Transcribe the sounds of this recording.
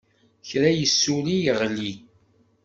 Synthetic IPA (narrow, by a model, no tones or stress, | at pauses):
çɾæjəsːulijəʁli